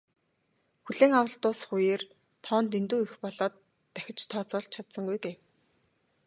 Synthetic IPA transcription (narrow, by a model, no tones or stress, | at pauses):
xuɮeːŋawə̆ɬt̪ʊːsχujeːr | t̪ʰɔːnt̪ent̪uːixpɔɮɔːt̪ː | æxʲɪ̆t͡ɕt̪ʰɔːt͡sɔːɬt͡ɕʰat̪sə̆ŋɡujɡeːw